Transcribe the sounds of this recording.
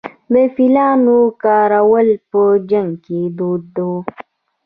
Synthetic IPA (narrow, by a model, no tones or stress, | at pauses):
mefilanukaɾawəlpəd͡ʒəŋkedoːdo